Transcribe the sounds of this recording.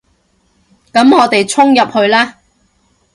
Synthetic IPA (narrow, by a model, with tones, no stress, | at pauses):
kɐ˨˥mŋɔː˨˧t̪e˨jt͡sʰʊ˥ŋjɐ˨p̚hɵ˧ɥlaː˥